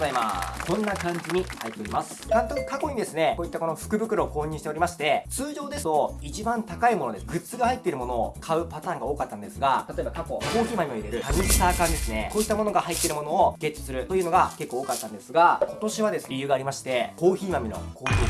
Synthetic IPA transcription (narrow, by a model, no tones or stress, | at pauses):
zaimakʰõ̞nːakãɲ̟d͡ʑiɲ̟ihait̪ːe̞o̞ɾʲimasɨ̥nãnt̪oki̥kako̞ɲ̟id̪e̞sɨneko̞ːit̪ːakono̞ɸɯ̟̥kɯ̟bɯ̟kɯ̟ɾo̞ːko̞ːɲ̟iːɕi̥t̪eɾʲimaɕi̥t̪e̞t͡sɨːʑo̞ːd̪e̞st̪o̞it͡ɕibãnt̪akaimo̞no̞d̪eɡɯ̟t͡sɨɡahait̪ːe̞iɾɯ̟mo̞no̞ːkʰaɯ̟pat̪ãːŋɡaoːkat̪ːand̪e̞sɨɡat̪at̪o̞e̞bakako̞ko̞ːçʲiːmamʲioiɾe̞ɾɯ̟taɲʲisi̥t̪aːkãnd̪e̞sɨne̞ko̞ːit̪ːamo̞no̞ɡahait̪ːe̞ɾɯ̟mo̞no̞ːɡ̥e̞t͡ɕːɨ̥sɨɾɯ̟t̪o̞jɯ̟ːno̞ɡake̞kːoːkat̪ːãnd̪e̞sɨɡako̞t̪o̞ɕiβ̞ad̪e̞sɨijɯ̟ːɡaːɾʲimaɕi̥t̪e̞ko̞ːçiːmamʲino̞̰kʰoːçiː